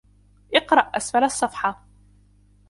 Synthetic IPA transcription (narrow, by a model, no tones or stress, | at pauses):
ʔɪqɾˤɑʔʔasfalɑsˤːɑfħɑ